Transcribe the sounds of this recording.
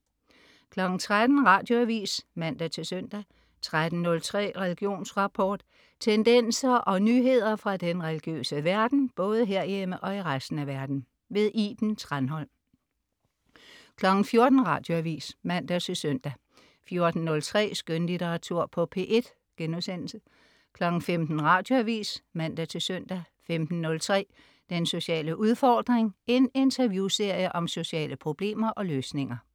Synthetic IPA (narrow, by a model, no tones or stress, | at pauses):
kʰlɒ̽ɡ̥n̩t͡sʰʁad̥n̩ʁɑ̈ːd̥jo̝æʋḭːsmæn̰d̥æt͡sʰe̝lsøn̰d̥æ | t͡sʰʁad̥n̩nɔ̽lt͡sʰʁɛ̰ːʁɛliɡ̥jo̝̰ːnsʁɑ̈pʰɒːd̥ | t͡sʰend̥en̰sɐʔɒ̽nyːɦe̝ð̞̰ˠɐfʁɑ̈d̥enʁɛliɡ̥jø̰ːsəʋæɐd̥n̩b̥ɔ̽ːð̞ˠəɦe̝ɐ̰jeməʔɒ̽iʁasd̥n̩æʋæɐd̥n̩ | ʋe̝ðˠʔib̥n̩t͡sʰʁanɦɒ̽l̰ | kʰlɒ̽ɡ̥n̩fjo̝ɐd̥n̩ʁɑ̈ːd̥jo̝æʋḭːsmæn̰d̥æt͡sʰe̝lsøn̰d̥æ | fjo̝ɐd̥n̩ːɔ̽lt͡sʰʁɛ̰ːsɡ̥ønlit͡seɑ̈t͡sʰuɐ̰pʰɒ̽pʰe̝̰ʔe̝d̥ | ɡ̥enuðˠsen̰l̩sə | kʰlɒ̽ɡ̥n̩femd̥n̩ʁɑ̈d̥jo̝æʋḭːsmæn̰d̥æt͡sʰe̝lsœn̰d̥æ | femd̥n̩ːɔ̽lt͡sʰʁɛ̰ː | d̥enso̝ɕɛ̰ːləʔuð̞ˠfɒːd̥ʁeŋe̝ne̝nt͡sʰɐʋjuse̝ɐ̰jəʔɒ̽mso̝ɕɛ̰ːləpʰʁo̝b̥le̝̰ːmɐʔɒ̽løːsne̝ŋɐ